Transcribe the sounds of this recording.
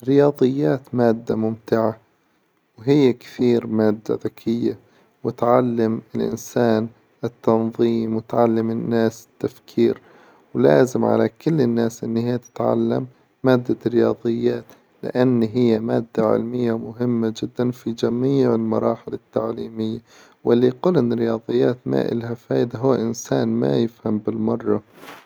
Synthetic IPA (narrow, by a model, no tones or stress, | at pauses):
rːɪjɑːðˤɨjːaːt̪maːd̪ːamʊmt̪ɪʕa | wɦɪjːakθiːɾmaːd̪ːa̰ðakʰɪjːa | wɪt̪ʕalːamɪlʔɪ̰nsaːn | ɪt̪ːɑnðˤiːmwɪt̪ʕalːɪmɪnːaːsɪ̥t̪ːafkʰiːɾ | wla̰ːzɪmʕa̰lakɪlːɪnːaːsʔɪnːɪhaːt̪ɪ̥t̪ʕa̰lːa̰mː | aːd̪ːaɾɪjɑːðˤɨjːaːt̪ | lɪ̰ʔanːɦɪjːamaːd̪ːaʕɪ̰lmɪjːamʊɦɪmːad͡ʒɪd̪ːanfid͡ʒamiːʕɪlmɑɾˤɑːħɪlɪt̪ːaʕliːmɪjːa | wɪlːiquːlʔɪnːɪɾɪjɑːd̪ˤɨjːaːt̪ma̰ːʔɪ̰lhafaːd̪aɦʊːʔɪnsaːnma̰jɪfhambɪlmɑrˤːɑ